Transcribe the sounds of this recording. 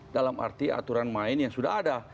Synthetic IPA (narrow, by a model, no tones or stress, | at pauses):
dalama̰rt̪ia̰t̪uɾanmaɪnjaŋsuda̰ɦada